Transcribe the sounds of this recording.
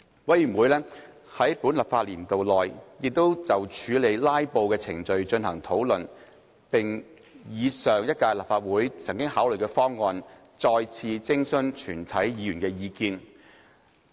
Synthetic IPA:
wɐ˨˥jy˨˩mwuː˨˥jlɛː˥ | hɐ˨˥jpuː˨˥nlɐ˨p̚faː˧t̚liː˨˩nt̪o˨wlɔː˨˩jjɪ˨k̚t̪o˥wt͡sɐ˨wt͡ʃʰyː˨˧le˨˧jlaː˥jpo˧wkɛː˧t͡sʰɪ˨˩ŋt͡ʃɵ˧ɥt͡ʃɵ˧nhɐ˨˩ŋt̪ʰo˨˥wlɵ˨˩n | pɪ˨˩ŋ | jiː˨˧sœː˨˩ŋjɐ˥t̚kaː˧jlɐ˨pfaː˧t̚wuː˨˥jt͡sʰɐ˨˩ŋkɪ˥ŋhaː˨˥wlɵ˨˩jkɛː˧fɔː˥ŋːɔː˧n | t͡sɔː˧jt͡sʰiː˧t͡sɪ˥ŋsɵ˥nt͡ʃʰyː˨˩nt̪ʰɐ˨˥jjiː˨˧jyː˨˩nkɛː˧jiː˧kiː˧n

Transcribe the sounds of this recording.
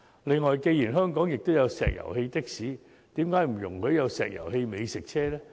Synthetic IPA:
lɪ˨ŋːɔː˨˩jke˧jiː˨˩nɦœː˥ŋkɔː˨˥ŋjɪ˨k̚t̪o˥wjɐ˨˧wsɛ̰ː˨k̚jɐ̰˨˩whe˧jt̪ɪ˥k̚siː˨˥ | t̪iː˨˥mkaː˨˥jm̩˨˩jʊ̰˨˩ŋkʰɵ˨˧ɥjɐ˨˧wsɛ̰ː˨k̚jɐ̰˨˩whe˧jme˨˧jsɪ˨k̚t͡ɕʰɛː˥lɛː˥

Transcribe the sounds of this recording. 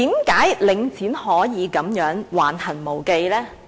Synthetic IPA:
iː˨˥mkaː˨˥jlɪ˨˧ŋt͡sʰiː˨˥nhɔː˨˥jiː˨˧kɐ˨˥mjœː˨˥ŋwaː˨˩nhɐ˨˩nmo˨˩wke˧jlɛː˥

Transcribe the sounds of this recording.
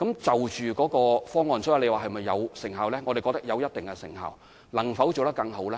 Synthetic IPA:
kɐ˨˥mt͡sɐ˨wt͡ʃyː˨kɔː˨˥kɔː˧fɔː˥ŋːɔː˨nsɔ˨˥jɐ˧˥le˨˧waː˨˩ɦɐ˨jmɐ˨jːɐ̰˨˧wsɪ˨˩ŋɦaː˨˩wlɛː˥ŋɔː˨˧ɾe˨jkɔ˧k̚t̪ɐ˥k̚jɐ˨˧wjɐ˥t̚t̪ɪ˨ŋkɛ˧sɪ˨˩ŋha̰ː˨w | lɐ˨˩ŋfɐ˨˥wt͡so˨wt̪kɐ˧ŋɦo˨˥wlɛː˦˥

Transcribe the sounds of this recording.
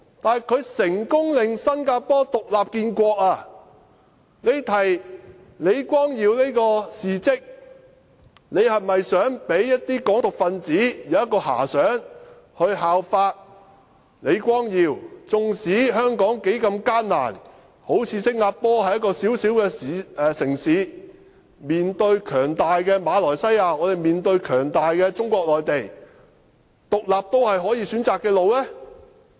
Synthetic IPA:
t̪aː˨jkʰɵ˨˧ɥsɪ˨˩ŋkʊ˥ŋlɪ˨ŋsɐ˥nkaː˧pɔː˥t̪ʊ˨k̚laː˨p̚kiː˧nkʷɔː˧k̚aː˧ | ne˨˧jt̪ʰɐ˨˩j | ne˨˧jkʷwɔː˥ŋjiː˨˧wneː˥jkɔː˧siː˨t͡sɪ˥k̚ | ne˨˧jhɐ˨˩mɐ˨jsœː˨˥ŋpe˨˥jːɐ˥t̚t̪iː˥kɔː˨˥ŋt̪ʊ˨k̚fɐ˧nt͡siː˨˥jɐ˨˧wɐ˥t̚kːɔː˧ha̰ː˨˩sœː˨˥ŋ | hɵ˧ɥɦaː˨wfaː˧t̚ | le˨˧jkʷɔː˥ŋjiː˨˧wt͡sʊ˨ŋsiː˨˥hœː˥ŋkɔː˨˥ŋke˨˥jkɐ˧mkaː˥nna̰ː˨˩n | ho˨˥wt͡sʰiː˨˧˥sɪ˥k̚ŋaː˧t̚pɔː˥hɐ˨jɐ˥tkɔː˧siː˨˥wsiː˨˥wkɛː˧siː˨˧˨sɪ˨˩ŋsiː˨˥ | miː˨˩nt̪ɵ˧ɥkʰœː˨˩ŋt̪aː˨jkɛː˧maː˨˧lɔː˨˩jsɐ˥jaː˧ŋɔː˨˧t̪e˨jmiː˨nt̪ɵ˧ɥkʰœː˨˩ŋt̪aː˨jkɛː˧t͡sʊ˥ŋkʷɔː˧k̚lɔː˨jt̪e˨j | t̪ʊ˨k̚laː˨p̚t̪o˥whɐ˨jɦɔː˨˥jiː˨˧syː˨˥nt͡saː˨kːɛː˧lo˨wlɛː˥

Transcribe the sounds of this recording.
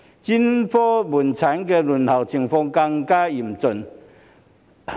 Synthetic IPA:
t͡ɕi˥nfɔ˦˥bu˨˩nt͡sʰa˨˦nkɛ˧lu˨˩nha˨˩wt͡sʰi˨˩ŋfɔ˧ŋka˧ŋkaː˥i˨˩mt͡sʊ˨˩n

